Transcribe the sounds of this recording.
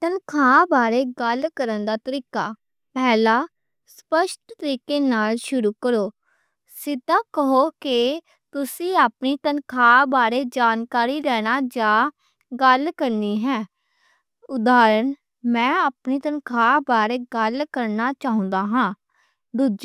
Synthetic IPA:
t̪ənkʰaːbaːɾeːɡəlkəɾənd̪aːt̪əɾiːkaː | pɛːlaː | spəʃt̪t̪əɾiːkeːnaːlʃʊɾuːkəɾoː | sɪd̪ãːkəɦoːkɪ | t̪ʊsĩːaːpniːt̪ənkʰaːbaːɾeːd͡ʒaːnkaːɾiːɾɛːnaːd͡ʒaː | ɡəlkəɾniːɦɛː | ʊd̪aːɾən | mɛ̃ːaːpniːt̪ənkʰaːbaːɾeːɡəlkəɾnaːt͡ʃaːɦʊ̃nd̪aːɦãː | d̪uːd͡ʒ

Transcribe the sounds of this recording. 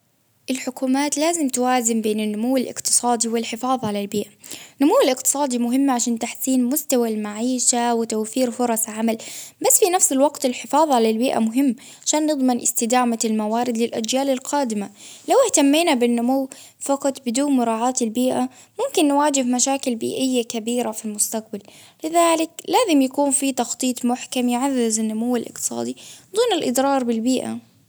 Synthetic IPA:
ʔɪlħʊkuːmaːt̪laːzɪmt̪waːzɪmbeːnɪnːʊmuwːɪlʔɪ̰qt̪ɨ̥sˤɑːd̪iwɪlħɪfɑːðˤʕalalbiːʔanːʊmuwːɪlɪqt̪ɨ̥sˤɑːd̪imʊɦɪmːaʕaʃaːnt̪aħsiːnmʊst̪awalmaʕiːʃawɪt̪awfiːɾfʊɾˤɑsˤʕamalbasːfinafsɪlwɑɡt̪ɪlħɪfɑːðˤʕalalbiːʔa̰mʊɦɪmː | ʕaʃaːnːɨd̪ˤmɪnʔɪ̰st̪ɪd̪aːmalmawaːɾɪd̪lɪlʔad͡ʒjaːlɪlqaːd̪ɪmalawɪht̪amːiːnabɪnːʊmawː | fɑqɑt̪ˤbɪd̪uːnmʊɾˤɑːʕaːt̪ɪlbiːʔa | mʊmkɪnːwaːd͡ʒɪhmaʃaːkɪlbḭːʔɪjːakabiːɾafilmʊst̪aq̚bal | lɪðaːlɪklaːzɪmjakuːnfit̪ɑxt̪ˤiːt̪ˤmʊħkamjɪʕaðːɪzanːʊmawːalʔɪ̰q̚t̪ɨ̥sˤɑ̰ːd̪id̪ˤuːnɪlʔɪd̪ɾˤɑːɾˤbɪlbiːʔa̰

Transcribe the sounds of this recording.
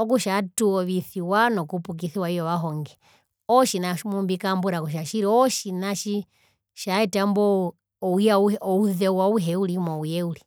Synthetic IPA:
ɔk̬uʃatuɔβiθiwanɔkupuk̬iθiwaijɔʋaɦɔŋɡɛ | ɔʃinamumbikambuɾakuʃ̬aʃiɾiɔʃinaʃi | ʃaɛtambɔ | ɔujaɔuðɛwauɦɛulimɔujɛuli

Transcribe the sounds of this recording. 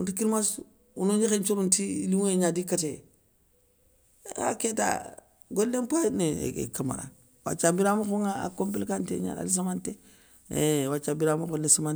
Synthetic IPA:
untikiɾmas | unoɲixent͡ʃoɾuntiiliŋeɲadikate | a̰keta̰ | ɡolːempaneḛḛkama̰ɾa̰ | wa̰t͡ʃabiɾamuxoŋaa̰kompilkantḛɲa̰na̰lis̬amantḛ | wat͡ʃabiɾamukolːesaman

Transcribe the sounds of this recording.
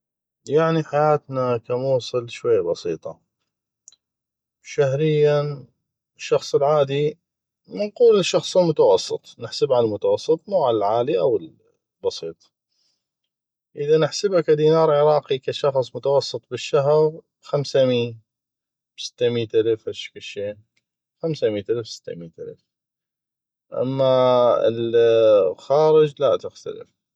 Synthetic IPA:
jaʕniħajaːt̪nakamuːsˤɨlʃwajːabɑsiːt̪ˤɑ | ʃahɾɪjːan | ʃːɑxsˤlʕaːd̪i | mɪnquːlɪʃːɑxsˤɪlmʊt̪ɑwɑsˤːɨt̪ˤnɪħsabʕaalmʊt̪awɑsˤːɨt̪ˤmuːʕalalʕaːliʔawɪl | bɑsˤiːt̪ˤ | ʔɪðanɪħsɪbakad̪iːnɑːɾˤʕɪɾˤɑːqikaʃɑxsˤmʊt̪ɑwɑsˤːɨt̪ˤbɪʃːaɦɾ | xamsamiːn | b̥sɪ̥t̪ːamiːt̪ʔalafhaʃkaʃːeː | xamsamiːt̪ʔalfsɪ̥t̪ːa̰miːt̪ʔa̰l̰f | ʔa̰mːaɪ̰l | xaːɾɪd͡ʒlat̪ɪxt̪a̰lɪ̰f

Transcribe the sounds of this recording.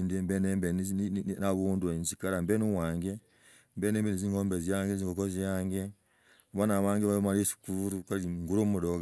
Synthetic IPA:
ndembenembennaβundunsikaɾambenuwaːŋɡe | mbeneːmbeniziŋoːmbezjaːŋɡenziŋɡokozjaːŋɡe | βanaβaːŋɡeβamaɾesi̥kuɾukaliŋɡuɾomudoɡa

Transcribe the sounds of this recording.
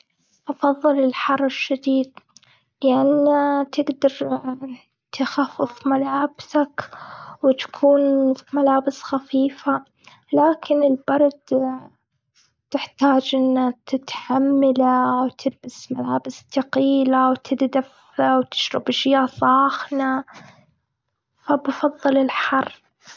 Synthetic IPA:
ʔɑfɑðˤːɨlɪlħɑrˤɪʃːad̪iːd̪̚ | lɪʔanːat̪ʰɪɡd̪ɑɾˤ | t̪ɪxafːɪfmalaːbsakwɪt̪ḁkʰuːnmalaːbɪsxafiːfa | laːkɪnɪlbɑɾˤd̪ | t̪ɪħt̪aːd͡ʒʔɪnːat̪ɪt̪ħamːalawt̪ʰɪlbasmalaːbɪst̪aqiːlawt̪ʰɪd̪d̪af | awt̪ʰɪ̥ʃɾɪbʒɪjasˤɑːxna | fabfɑðˤːɨlɪlħɑrˤː

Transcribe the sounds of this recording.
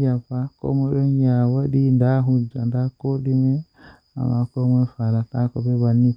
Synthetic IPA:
jafako̰mɔɗɔnjawaɗindaɦud͡ʒandakoɗime | a̰makomefalatakɔbebanːi

